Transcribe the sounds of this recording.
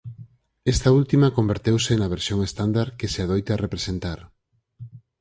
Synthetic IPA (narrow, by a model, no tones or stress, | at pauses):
est̪ɐult̪imɐkombeɾt̪ewsenɐβ̞eɾsjoŋest̪and̪aɾkeseað̞ojt̪arepɾesent̪aɾ